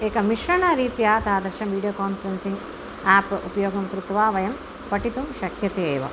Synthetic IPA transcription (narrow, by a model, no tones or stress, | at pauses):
eːkɐmiʂɾɐɳaɾiːt̪jaːt̪aːd̪ɐɾʃɐmʋiːɖijoːkaːnfɐɾensiŋɡ | aːpʔupɐjoːɡɐmkɾut̪ʋaːʋɐjɐm | pɐʈit̪umʃɐkʰjɐt̪eːʋɐ̰